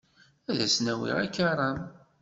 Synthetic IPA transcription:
æðæsnæwḭʁakːaɾˤɑn

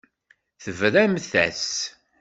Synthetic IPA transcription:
θəvɾæmθæ̰s

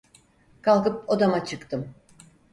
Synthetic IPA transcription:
kʰalˠkɯp̚od̪amat͡ʃʰɯkt̪ɯm

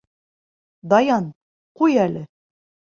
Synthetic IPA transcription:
d̪ɑjɑn | qujælɘ

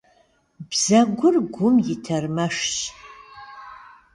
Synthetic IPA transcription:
bz̥ɐɡʷʊrɡʷʊmjɪtʰɐrmɐʂɕʼ

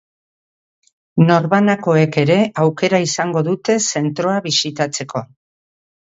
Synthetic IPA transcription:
no̞ɾβanako̞e̞ke̞ɾe̞awke̞ɾaisaŋɡo̞ðut̪e̞se̞nt̪ɾo̞aβisit̪at͡se̞kʰo̞

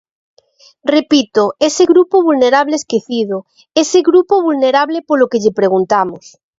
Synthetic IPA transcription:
repit̪oeseɣɾupoβulneɾaβleeskeθiðo | eseɣɾupoβulneɾaβlepolokeʎepɾe̞ɣ̞unt̪amos

